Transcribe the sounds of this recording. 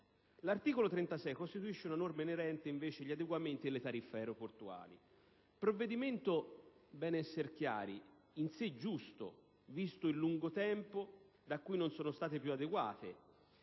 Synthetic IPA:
lart̪iːkolot̪ɾɛnt̪asɛjkost̪it̪uiʃːeunanormeneɾɛnt̪eiɱveːt͡ʃeʎiad̪eɡwament̪id̪elet̪aɾifːɛːɾoport̪ua̰ːlḭ | pɾovːed̪iment̪obɛːnɛsːerk̟ja̰ːɾi | insed͡ʒust̪o̰ | vist̪ʊilːuŋɡot̪ɛmpo | d̪akːujnonsɔːnost̪aːt̪epjuad̪eɡwa̰ːt̪e

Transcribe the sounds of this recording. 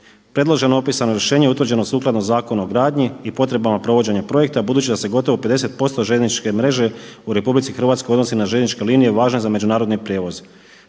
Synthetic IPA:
pɾe̞d̪lˠo̞ʒe̞noopisanoɾjeʃe̞ːɲeut̪ʋr̩d͡ʑe̞nosuːklad̪nozaːko̞naoɡɾaːd̪ɲiipo̞t̪ɾe̞bamapɾo̞ʋo̞d͡ʑe̞ɲapɾo̞je̞k̚t̪abud̪uːt͡ɕid̪ase̞ɡo̞t̪o̞ʋoped̪e̞se̞t̪̚po̞st̪oʒenit͡ʃke̞mɾe̞ʒe̞uɾe̞publit̪sixrʋat̪skojo̞d̪no̞sinaʒenit͡ʃke̞liːnije̞ʋaːʒne̞zame̞d͡ʒunaːɾo̞d̪nipɾʲjeːʋo̞z

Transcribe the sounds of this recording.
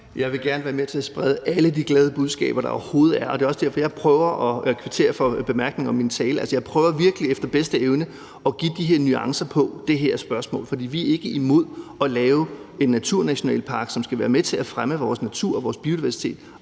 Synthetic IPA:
jɑ̈ɪʋe̝ɡ̥æɐnəʋæːɐmet͡sʰe̝æsb̥ʁɛð̞ˠəʔæləd̥iɡ̥lɛːð̞ˠəb̥uð̞ˠsɡ̥ɛ̰ːb̥ɐɾ̥ɑ̈ɒʊɐho̝ːð̩ˠæɐɒ̽d̥e̝ːɒ̽sd̥æɐ̰fɒ̽jɑɪpʰʁœːʊɐʔɒ̽kʰʋit͡sʰe̝̰ːɐfɒ̽b̥e̝mæɐɡ̥ne̝ŋɒ̽mːint͡sʰɛːlælsəjɑ̈ɪpʰʁœːʊɐʋiɐɡ̥əliefd̥ɐb̥esd̥əeʊnə | ɒ̽ɡ̥ḭd̥iɦe̝ɐ̰nyɑ̈ŋsɐpʰɒ̽d̥e̝ɦeɐsb̥ɶɐsmɔ̰̽ːlfɒ̽d̥ḭːʋiæɐe̝ɡ̥əimo̝ð̞̰ˠɒ̽lɛːʊ | e̝nːæt͡sʰuɐ̰næɕo̝nɛ̰ːlpʰɑ̈ːɡ̥sɒ̽msɡ̥æʋæːɐmet͡sʰe̝læfʁaməʋɒːsnæt͡sʰuɐ̰ɒʋɒːsb̥io̝diʋæɐsi̥t͡sʰe̝̰ːd̥

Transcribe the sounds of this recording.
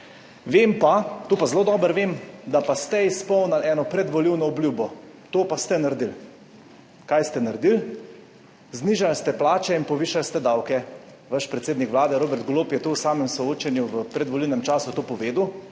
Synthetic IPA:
ʋeːmpat̪opazloːd̪ɔːbəɾʋeːmd̪apast̪ɛispɔwnalɛːnɔpɾɛd̪ʋɔliwnɔɔblʲjuːbɔt̪oːpast̪ɛnaɾd̪il | kajst̪ɛnaɾd̪il | zniːʒalst̪ɛplaːt͡ʃɛinpɔʋiːʃalst̪ɛd̪awkɛ | ʋaʃpɾɛt̪seːd̪nikʋlaːd̪ɛɾoːbɛɾt̪̚ɡoloːpjɛt̪owsaːmɛmsɔoːt͡ʃɛnjuʋəpɾɛd̪ʋɔliwnɛmt͡ʃaːsut̪oːpɔʋeːd̪u

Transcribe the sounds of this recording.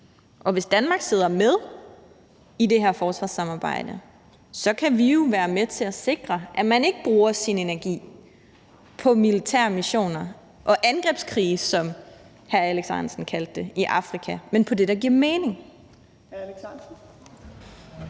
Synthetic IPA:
ʔɒ̽ʋe̝sd̥ænmɑ̈ːɡ̥se̝ðˠɐmeð̞ˠ | ide̝ɦæɐfɒːsʋɑ̈sɑ̈mɑ̈ːb̥ɑ̰̈ɪ̰d̥ə | sɒ̽kʰæʋijo̝ʋæːɐmet͡sʰe̝læse̝ɡ̥ʁɐʔæmæne̝ɡ̥əb̥ʁuːɐsine̝næɐɡ̥ḭː | pʰɒ̽milit͡sʰæ̰ɐmiɕo̝̰ːnɐ | ʔɒ̽ʔænɡ̥ʁɛb̥skʰʁiːsɒ̽m | hæɐæleɡ̥sɑnsn̩kʰæld̥ːe̝iʔɑ̈fʁikʰæmenpʰɒ̽d̥e̝ɾ̥ɑ̈ɡ̥iɐmeːne̝ŋ

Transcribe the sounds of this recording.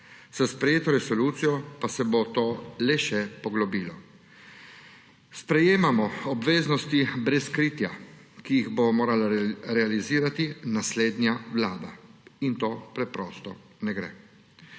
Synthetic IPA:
sɛspɾɛjeːt̪ɔɾɛsɔluːt̪sijɔpasɛbot̪oːlɛʃɛpɔɡlɔbiːlɔ | spɾɛjeːmamɔɔbʋeːznɔst̪ibɾɛskɾiːt̪ja | kijiɣbomoːɾalaɾɛaliziːɾat̪inasleːd̪njawlaːd̪aint̪oːpɾɛpɾɔːst̪ɔ | nɛɡɾɛ̰

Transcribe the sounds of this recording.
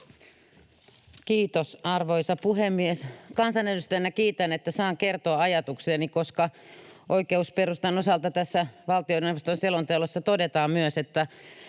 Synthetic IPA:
kiːt̪osɑrʋoisɑpuɦemːieskɑnsɑnedust̪æjnːækiːt̪ænet̪ːæsɑːŋkert̪oɑɑjɑt̪ukseːnikoskɑʔoikeusperust̪ɑnosɑlt̪ɑt̪æsːæʋɑlt̪ioneneʋost̪onselont̪eulosːɑt̪odet̪ɑːmmyøset̪ːæ

